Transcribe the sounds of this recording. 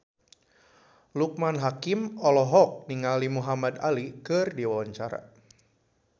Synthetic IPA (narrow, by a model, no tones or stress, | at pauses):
luk̚manɦakimɔlɔɦɔk̚niŋalimuɦamadalikɨrdiwawaɲt͡ʃaɾa̰